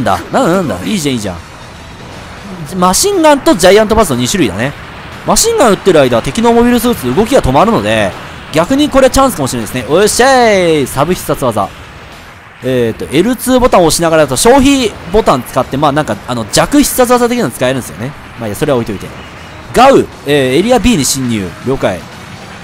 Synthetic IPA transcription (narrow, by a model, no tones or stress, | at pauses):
nd̪a̰nããnd̪a̰iːʑãiːʑã̰ | maɕĩŋɡãnt̪o̞d͡ʑaiãnt̪o̞basɨno̞ɲ̟iɕɨɾɯ̟id̪a̰ne̞ | maɕĩŋɡãɯ̟t̪ːe̞ɾɯ̟aid̪aβat̪e̞kʲino̞ːmo̞bʲiɾɯs̬ɨːt͡sɨɯ̟ɡo̞kʲiɡat̪o̞maɾɯ̟no̞d̪e̞ | ɡʲakɯ̟ɲ̟iko̞ɾe̞at͡ɕãɰ̃sɨ̥kamoɕiɾend̪esɨneoɕesabɯ̟çʲi̥ssat͡sɨβaza̰ | et̪ːo̞̰ʔe̞ɾɯ̟t͡sɨːbo̞t̪ãɰ̃o̞ɕinaɡaɾad̪at̪oɕo̞ːçibo̞t̪ãnt͡sɨ̥kat̪ːe̞maːnãŋkaano̞d͡ʑakɯ̟çi̥sɨ̥sat͡sɨβazat̪ekʲiɲḁt͡sɨ̥kae̞ɾɯ̟nesɨjo̰ne̞ | maiaso̞ɾeao̞it̪o̞it̪e̞̰ | ɡaɯ̟ | eːeɾʲiabʲiːɲ̟iɕĩɲ̟ːɨ̰ːɾʲjo̞ːkaḭ